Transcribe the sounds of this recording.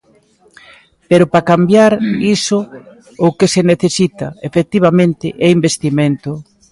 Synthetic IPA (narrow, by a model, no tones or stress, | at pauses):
peɾʊpɾakambjaɾisʊ | okeseneθesit̪a̰efek̚t̪iβ̞amẽnt̪ɪʔɛimbest̪iment̪ʊ